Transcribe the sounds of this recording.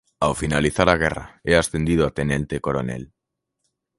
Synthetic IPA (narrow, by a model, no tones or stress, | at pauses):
awfinaliθaɾaɣ̞era̰easθend̪ið̞oat̪enẽnt̪ekoɾonḛl